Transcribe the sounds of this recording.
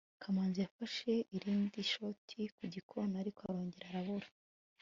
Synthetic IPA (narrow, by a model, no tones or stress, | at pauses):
kʰamaːnzijafaʃe̞ʔiɾiːndiʃo̞tʰikuɟikʰo̞naɾikoaɾo̞ːɲɟe̞ɾaɾaβuɾḁ